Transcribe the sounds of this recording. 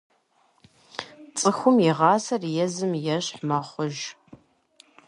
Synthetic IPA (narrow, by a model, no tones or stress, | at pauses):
t͡sʼɨxʷʊmjiʁɑːsɐrjɛzɨmjɛɕħmɐχʷʊʒ